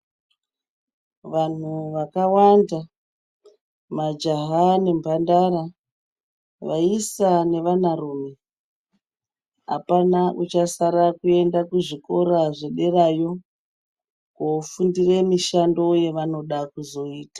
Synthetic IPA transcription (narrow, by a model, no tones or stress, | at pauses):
ʋan̤uʋakawanda | mad͡ʒaɦane̞mbʱandaɾa | ʋaisane̞ʋanaruːme | ɦa̰panaʔut͡ʃasaɾakue̞ndakuʐiko̞ɾaʐeɗe̞rajo̞ | kofundire̞miʃando̞je̞ʋano̞ɗakuzo̞iːtḁ